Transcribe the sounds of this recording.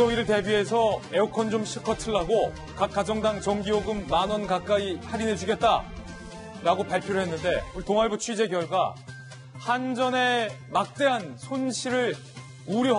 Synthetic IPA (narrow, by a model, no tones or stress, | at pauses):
ʌiɾɯɭte̞bie̞sʰʌe̞okʰʌnd͡ʑomɕʰikʰʌtʰɯɭːaɡo | kak͈ad͡ʑʌŋdaŋt͡ɕʌŋɡioɡɯmːanʌnkak͈aihaɾined͡ʑuɡet̚t͈a | ɾaɡopaɭpʰjoɾoɦe̞nːɯnde̞utoŋaɭbut͡ɕʰɥid͡ʑe̞ɡjʌɭɡwa̰ | hand͡ʑʌne̞mak̚t͈e̞ɦansʰonɕʰiɾɯɭ | uɾi